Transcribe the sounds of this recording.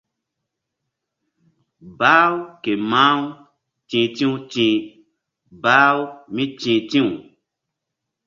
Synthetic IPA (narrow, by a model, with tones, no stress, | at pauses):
baː˦wke˨mãː˦w | t͡ʃĩː˨tĩ˦u˦t͡ʃĩː˨ | baː˦wmĩ˦t͡ʃĩ˨tĩ˦u˨